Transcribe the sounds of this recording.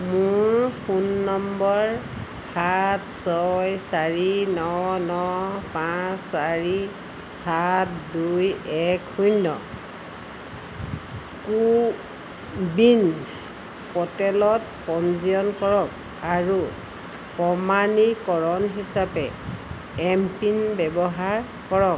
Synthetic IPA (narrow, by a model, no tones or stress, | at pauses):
mʊɹxunːɔmbɔɹ | hatsɔjsaɹinɔnɔpasːaɹi | hatdujɛkhujnːɔ̰ | ku | bin | kɔtɛlɔt̚ | kɔnziɔnkɔɹɔk | aɹu | kɔmanikɔɹɔnɦisapɛ | ɛmpinbɛbɔɦaɹ | kɔɹɔk̚